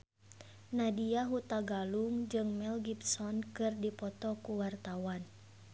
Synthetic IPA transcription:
nadiaɦut̪aɡaluŋd͡ʒɨŋmɛlɡipsɔnkɨrdipɔt̪ɔkuwart̪awan

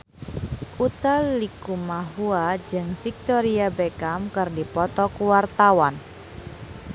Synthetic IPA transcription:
ut̪allikumaɦuad͡ʒɨŋfik̚t̪ɔɾiabekamkɨrdipɔt̪ɔkuwart̪awan

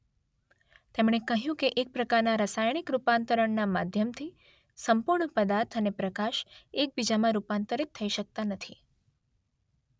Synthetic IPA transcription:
t̪emɽ̃ekəɦjũkeʔek̚pɾəkaɾnaɾəsajɽ̃ikɾupant̪əɾəɳnama̰d̪ʱjəmt̪ʰi | səmpuɾɳəpəd̪aɾt̪ʰənepɾəkaʃek̚bid͡ʒamãɾupant̪əɾit̪ʰːəiʃək̚t̪anət̪ʰi

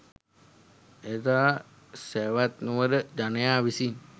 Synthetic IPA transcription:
et̪aː | seʋat̪nuʋəɾəd͡ʒanəjaːʋisin

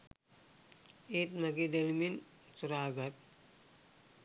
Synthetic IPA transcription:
et̪mɐɡid̪elmin | suɾaːɡɐt̪̚

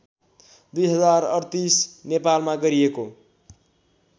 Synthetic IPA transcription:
d̪ujɦʌd͡zarʌɾt̪isnepalmaɡʌɾieko

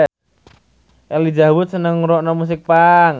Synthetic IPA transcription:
ʔɛlid͡ʒawʊt̪̚sənəŋɾɔʔnɔmus̬ɪk̚paŋ

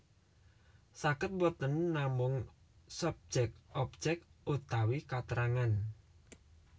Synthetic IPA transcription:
sakət̪̚wɔt̪ənːamʊŋ | sɔb̥̚d͡ʒɛk̪̚ɔp̚d͡ʒɛk̪̚ut̪awikat̪əɾaŋan

